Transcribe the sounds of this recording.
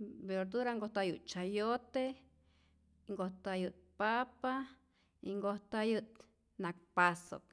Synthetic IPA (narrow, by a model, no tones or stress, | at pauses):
beɾd̪uɾaŋɡoht̪ajɨʔt̪̚t͡ʃajot̪e | ŋɡoht̪ajɨt̪̚papa | iŋɡoht̪ajɨt̪ | nak̚paso̰k̚